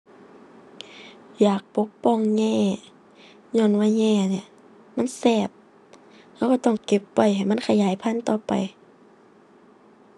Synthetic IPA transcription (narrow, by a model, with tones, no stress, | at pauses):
jaː˨˩k̚po˧˦˥kpɔː˧˥˨ŋɲɛː˧˩ | ɲɔː˧˥˨nwaː˧˥ɲɛː˧˩˨ni˧˨ | ma˧˥˨nsɛː˧˩p̚ | ha˧˩˨ka˧˩t̪ɔ˧˩ŋke˧˦pːa˧˩jɦa˨˩jma˧˥˨nkʰa˧˨jaː˨˦jpʰa˧˥˨nt̪ɔː˧˩pa̰˨j